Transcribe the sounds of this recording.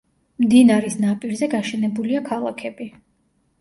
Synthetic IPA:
md̪inaɾisnapʼiɾzɛɡaʃɛnɛbuliakʰalˠakʰɛbi

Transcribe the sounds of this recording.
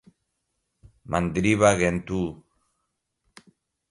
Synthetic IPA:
mand̪ɾiβaɣent̪u

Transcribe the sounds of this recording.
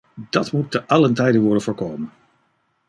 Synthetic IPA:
d̥ɑtmutːəʔɑləntɛjdənʋɔɹdənvʊːɹkowmən

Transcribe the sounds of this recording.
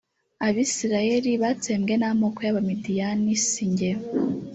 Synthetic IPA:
aβisiɾajeɾiβateːmɡe̞namokojaβamidijanisiɲɟe

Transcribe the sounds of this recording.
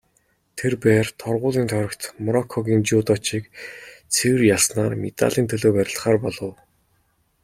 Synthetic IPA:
t̪ʰerpæːrt̪ʰɔrʁʊːɮiːnt̪ʰœɾʲɞ̆kt̪mɔɾɔkʰːɔɣʲiːnt͡ɕuːt̪ɔt͡ɕiːkt͡sʰewɘ̆rjaɮsnaːrmet̪a̰ɮiːnt̪ʰɵɮoːpæɾʲɪ̆ɬtχaːrpɔɮɞ̆w

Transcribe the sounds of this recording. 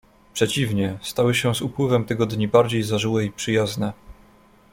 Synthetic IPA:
pʂɛt͡ɕivɲɛst̪awɘɕɛzupwɘvɛmt̪ɘɡɔd̪ɲibaɾd͡ʑejzaʐɘwɛipʂɘjaznɛ

